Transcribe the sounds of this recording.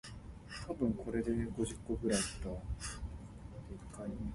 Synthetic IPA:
t̪ʰabɯ̟̃ŋkʰo̞ɾe̞d̪e̞ɡo̞ʑikːoɡɯ̟ɾait̪ːa | ekain

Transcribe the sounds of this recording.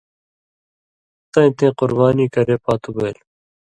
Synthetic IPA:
t̪ɐ̃ːĩt̪ʰẽːqʊɾbaːniːkɐɾepaːt̪ubeːl

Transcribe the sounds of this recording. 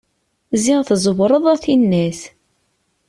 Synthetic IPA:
ziʁθzˤəwɾˤəðˤæθinːæs

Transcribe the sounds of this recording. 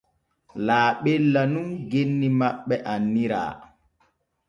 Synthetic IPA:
laːɓɛlːanunɡenːimaɓːɛʔanːiɾa̰ː

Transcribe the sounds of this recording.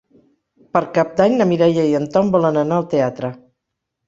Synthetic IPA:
pəɾkap̚d̪aɲnəmiɾajəjənt̪ɔmbɔlənənaəlˠt̪eat̪ɾə

